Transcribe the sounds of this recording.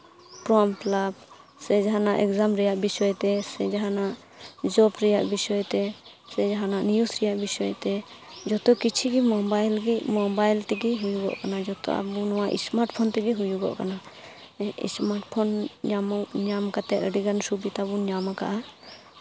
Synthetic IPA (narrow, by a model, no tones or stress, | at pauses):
pɾɔmplab | sɛd͡ʒaɦanaʔɛkzamɾɛjaʔbisɔjt̪ɛsɛd͡ʒaɦanaʔ | d͡ʒɔbɾɛjaʔbisɔjt̪ɛ | sɛd͡ʒaɦanaʔnijusɾɛjaʔbisɔjt̪ɛ | d͡ʒɔt̪ɔkit͡ʃʰiɡimɔbajlɡimɔbajlt̪ɛɡiɦujuɡɔ̰ʔkanad͡ʒɔt̪ɔ̰ʔa̰bunɔwaʔḭsmaɾʈpʰɔnt̪ɛɡiɦujuɡɔ̰ʔkana | ḭsmaɾʈpʰɔnɲamɔɲamkat̪ɛəɖiɡansubit̪abuɲamaka̰ʔa